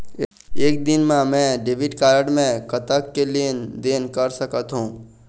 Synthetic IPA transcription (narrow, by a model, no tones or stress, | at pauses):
eːk̚d̪ɪnmãmɛ̃ɖeːʋɪɖkaːɾəɖmẽkət̪əkːelied̪eːnkəɾsəkət̪ɦũː